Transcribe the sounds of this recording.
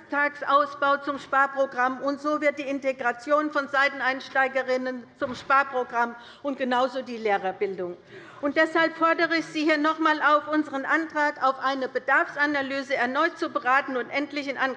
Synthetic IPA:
tʰaːksʔaʊsb̥aʊt͡sʊmʃpaːɐpʁ̥oɡʁamʊntz̥oːvɪɐt̚d̥iːɪnteɡʁat͡sjoːnfɔnzaɪtn̩aɪnʃtaɪɡəʁɪnənt͡sʊmʃpaːɐpʁ̥oɡʁam | ʊntɡ̥ənaʊzoːdiːleːʁɐbɪldʊŋ | ʔʊntd̥ɛshalpfɔɐdəʁəɪçz̥iːhiːɐnɔχmaːlaʊfʔʊnzəʁənʔantʁ̥aːkaʊfʔaɪnəbədaɐfsʔanalyːzəɛɐnɔʏt̚t͡subəʁaːtn̩ʊntʔɛntlɪçɪnʔan

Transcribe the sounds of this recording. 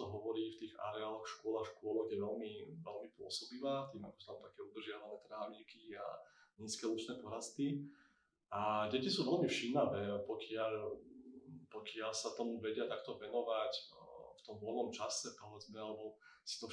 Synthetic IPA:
ɔɦɔʋɔɾiːft̪iːɣa̰ɾɛaːlɔxʃkʊɔlaxʃkʊɔlɔɣjɛʋɛlmiʋɛlmipʊɔ̰sɔbiʋaːt̪iːmakɔ̥sut̪amt̪akɛːud̪rʒɪaʋanɛːt̪ɾaːmikia̰ɲiːskɛlut͡ʃnɛːpɔɾast̪i | ʔaɟɛcisuːʋɛlmifʃimaʋɛːpɔkɪaʎ | pɔkɪaʎsat̪ɔmuʋɛɟɪat̪akt̪ɔʋɛnɔʋacft̪ɔmʋɔlnɔmt͡ʃasɛpɔʋɛd͡zmɛalɛbɔ | si̥t̪ɔ

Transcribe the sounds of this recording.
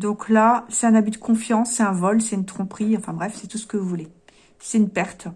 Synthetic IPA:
d̪ɔ̃klasɛɛ̃nabyd̪əkʰɔ̃fjɑ̃sːɛt̪ɛ̃vɔlsɛynt̪χɔ̃pχiɑ̃fɛ̃bʁɛfsɛt̪usə̥kəvuvule | sɛt̪ynpɛʁt̪

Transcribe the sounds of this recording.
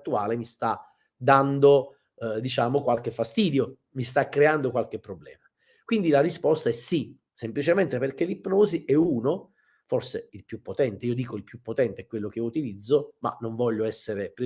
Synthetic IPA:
t̪ːuaːlemist̪a | d̪and̪o | d̪it͡ʃaːmokwalk̟efːast̪iːd̪jo | mist̪akːɾeand̪okwalk̟epːɾoblɛ̰ːma | kwind̪ilarispɔst̪aɛsːi | semplit͡ʃement̪eperk̟elipːnoːziʔɛuːno | forseilpjupːot̪ɛnt̪eiːod̪iːkoilpjupːot̪ɛnt̪eɛkːwelːok̟eut̪ilid̪zːoma̰nːoɱvɔʎːoɛsːeɾepɾe

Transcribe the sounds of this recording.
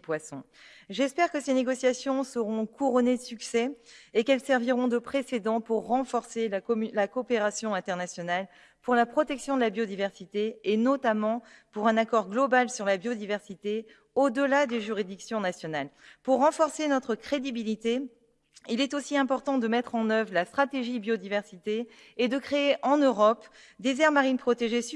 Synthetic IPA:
pwasɔ̃ | ʒɛspɛʁkəseneɡɔsjasjɔ̃səʁɔ̃kʰuʁɔned̪əsyksɛekɛlsɛʁviʁɔ̃d̪əpχesed̪ɑ̃puʁːɑ̃fɔʁselalakoːpeʁasjɔ̃ɛ̃t̪ɛʁnasjɔnal | puʁlapχɔt̪ɛksjɔ̃d̪əlabjod̪ivɛʁsit̪eːnɔt̪amɑ̃puʁɛ̃nakɔʁɡlɔbalsyʁlabjod̪ivɛʁsit̪e | od̪əlad̪eʒyʁid̪iksjɔ̃nasjɔnalpuʁːɑ̃fɔʁsenɔt̪χəkχed̪ibilit̪e | ilɛt̪osiɛ̃pɔʁt̪ɑ̃d̪əmɛt̪χɑ̃nœvʁlast̪χat̪eʒibjod̪ivɛʁsit̪eː | d̪əkχeːʔɑ̃nøʁɔp | d̪ezɛʁmaʁinpχɔt̪eʒe

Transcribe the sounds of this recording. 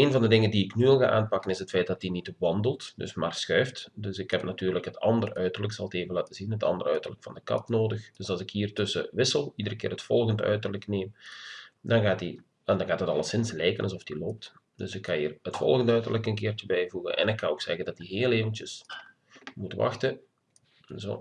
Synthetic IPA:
eːnvɑndədɪŋəndiɪknyʋɪlˠɣa̰ːʔa̰ːnpɑkənɪsɦətfɛjt̚d̥ɑt̚dinitʋɑndəlˠtdɵ̰smaːrsxœɥftdɵsɪkhɛpnatyːrləkɦətɑ̰ndərœɥtərləksɑlˠteːvənlaːtəzinɦətɑ̰ndərœɥtərləkfɑndəkɑ̰tnoːdəxd̥ɵsɑlˠzɪkɦiːrtɵsəʋɪsəlˠidəɾəkɪːrɦətfɔlˠɣəndœ̰ɥtərləkneːm | dɑnɣaːt̚di | ɛndɑnɣaːtətɑlˠəsɪnslɛjkənʔɑlˠzɔfd̥iloːp̚t | d̥ɵsɪkkɑnḭːrətfɔ̰lˠɣəndœɥtərləkənkɪːrtəbɛjvuɣə̰nʔɛ̰nɪkːɑnoːksɛɣəndɑtdiɦeːlˠeːvənt͡ʃəs | mutʋɑ̰xtə | ɛnzo̰ː

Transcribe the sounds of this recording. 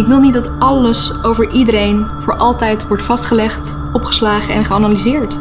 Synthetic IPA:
ɪkʋɪlˠnit̚dɑtɑləsowvəɹʔidəɾejnv̥ʊːɹʔɑlˠtɛjtʋɔɹtfɑstχəlɛχt | ɔpχə̥slaːχəɛnχəanalizɪːɹt

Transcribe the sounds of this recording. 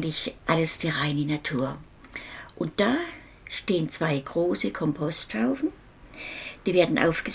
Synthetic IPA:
nlɪçʔaləsd̥iːʁaɪnənatʰuːɐ | ʔʊnt̚d̥aː | ʃteːənt͡sv̥aɪɡʁoːsəkʰɔmpʰɔsthaʊfn̩ | d̥iːveːɐdn̩ʔa̰ʊfɡ̥ə

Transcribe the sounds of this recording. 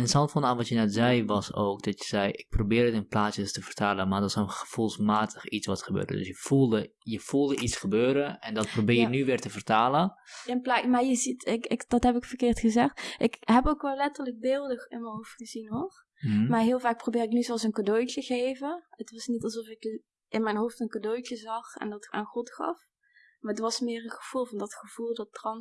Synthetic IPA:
ɪnəsɑntfɔnaːnʋɔtjənɛtzɛjʋɔsoːkdɔtjəzɛjɪk̚probɪːrətɪnplaːtjəstəfərtʰaːlˠəmardɔɪsənxəfulˠsmaːtʰəxit͡sʋɔtxəbø̰ːrdə̰dø̰sjəfulˠdəjəfulˠdəʔit͡sxəbøːɾəɛndɔt̚probɪːjənyʋɪːrtəfərtaːləplamajəzitɪkɪkdɔthɛpɪkfərkɪːrtxəzɛxtʔɪkɦɛpokʋɛlˠlːɛtərlək̚bɪːlˠdəxɪnmɛnɦowftxəzinɦor | marɦɪːlˠvaːk̚probɪːrɪknyzɛlˠs̬ənkadojtəɣeːvəətʋɑsnitɑlˠsɔfɪk | ɪnmɛjnɦoːftənkadojtəzɑxɛ̰ndɔta̰ːnxɔtxɑ̰f | maətʋɑsmɪːrənxəv̥ulˠvɑndɔtxəv̥ulˠdɔtːrɑn

